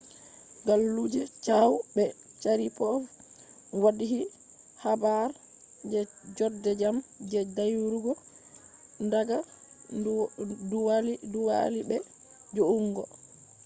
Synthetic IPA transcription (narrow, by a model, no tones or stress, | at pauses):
ɡalːud͡ʒɛt͡ʃawbɛt͡ʃaɾipɔ | wadiɦi | habaɾ | d͡ʒɛd͡ʒɔdɛd͡ʒamd͡ʒɛdajuɾuɡɔ | ndaɡa | duwaliduwa̰libɛ | d͡ʒoʔuŋɡɔ̰